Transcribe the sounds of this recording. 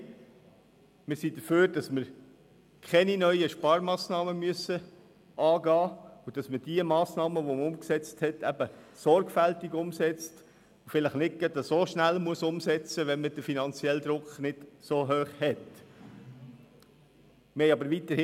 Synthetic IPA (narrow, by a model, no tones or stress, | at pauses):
mɪɾsid̪əføːɾd̥ɑsməɾ | kʰɛninœʏəʃpɑɾmɑːsnɑːməmyəsə | ʔɑːɡɑːud̥ɑsməd̥iəmɑːsnɑːməʋoməʊmksɛt͡sthɛtʰæb̥əsɔɾɡfæltiɡʊmsɛt͡st | ufɪləχnɪt̚ɡ̥ɛt̪ɑsoʃnælmuəsʊmsɛt͡səʋɛnməd̥əfinɑnt͡sjɛld̪ɾʊkχnɪd̥soːɦøːχhɛt | mɪhɛɪɑbəɾʋitəɾhɪ